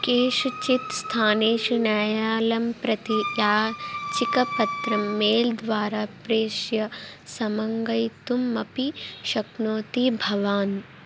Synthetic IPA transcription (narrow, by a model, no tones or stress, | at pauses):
keːʃut͡ʃit̪st̪ʰaːneːʃunaːjaːlɐmpɾɐt̪ijaːt͡ʃikɐpɐt̪ɾɐmːeːld̪ʋaːɾaːpɾeːʃjɐsɐmɐŋɡɐjt̪umːɐpiʃɐknoːt̪ibʱɐʋaːn